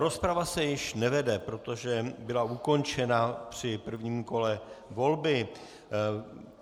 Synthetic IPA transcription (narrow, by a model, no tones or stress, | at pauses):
ɾo̞spɾavasɛjɪʃnɛvɛdɛpɾo̞t̪o̞ʒɛbɪlauko̞nt͡ʃɛnapr̝̥ɪpr̩vɲiːmko̞lɛvo̞lbɪ